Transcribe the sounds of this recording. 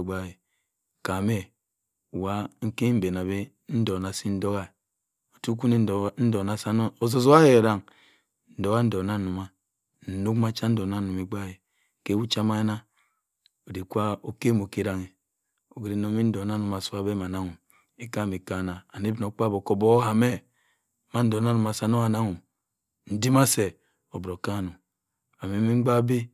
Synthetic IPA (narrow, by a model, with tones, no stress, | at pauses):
ɡ͡ba˦je˨ | ka˨me˦˨ | wa˦ŋ̩˦ke˦m̩˦be˨na˨be˦ | n̩˦do˨na˨si˦n̩˦do˦ɣa˦˨ | o˨tu˦ku˦ne˦˨n̩˦do˨na˨sa˦no˦o˨zo˨zo˦a˦he˨e˨ɾa˦ŋ | n̩˨˦do˨ɣa˦n̩˦do˨na˦nu˨ma˨ | n̩˨nu˦kma˦t͡ʃa˦n̩˦do˨na˦nu˨me˨ɡ͡ba˦je˨ | ke˦wu˦t͡ʃa˦ma˦je˦na˦ | o˨di˨kʷa˦o˦ke˦mo˨ke˦ɾa˨ŋe˨ | o˨ɡɾi˨no˦mi˦n̩˦do˨a˦nu˨˦ma˨su˦a˦be˦ma˨na˦ŋu˨ | e˦ka˦˨mi˨ka˨na˨a˨ni˦bi˦no˨˦k͡pa˦bo˨ko˦bo˦ha˨me˦˨ | ma˦n̩˦do˨a˦nu˨m˨a˨sa˦no˦a˨na˦ŋu˨ | n̩˦di˦ma˦se˨ | o˨bɾo˨ka˦˨nu˨ | a˨me˨˦mi˦ŋ͡m̩˦ɡ͡ba˦bi˦